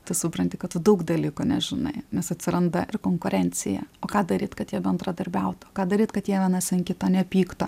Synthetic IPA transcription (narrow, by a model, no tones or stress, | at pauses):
t̪ɐsʊpɾɐnʲt̪ʲɪkɐt̪tʊd̪ɐʊkd̪ɐlʲiːkʊnʲɛʒʲɪnɐ̰ɪnʲɛsɐt̪ʲsʲɪɾɐnd̪ɐʔɪrkoːŋkʊɾʲɛnʲt͡s̪ʲɪjɛ̰oːkɑːd̪ɐɾʲiːt̪kɐt̪jiɛbʲɛnd̪ɾɐd̪ɐɾʲbʲɛʊt̪oːkɑːd̪ɐɾʲiːt̪kɐt̪jiɛʋʲiɛnɑsʲɪnkʲɪt̪oːnʲɛpʲiːkt̪o